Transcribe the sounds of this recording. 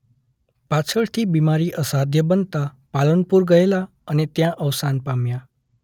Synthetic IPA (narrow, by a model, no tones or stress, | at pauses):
pat͡sʰəɭt̪ʰibimaɾiʔəsad̪ʱjəbənt̪a | palənpuɾɡʌela | ənet̪jãʔʌwsanpamja